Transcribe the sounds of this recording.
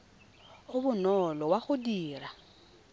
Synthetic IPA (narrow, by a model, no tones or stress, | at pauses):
oβunɔlɔwaɣʊdiːra